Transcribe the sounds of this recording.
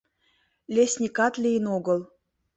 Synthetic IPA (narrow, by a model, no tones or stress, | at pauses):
lʲesʲnʲikɑt̪lʲijənoɡə̆lˠ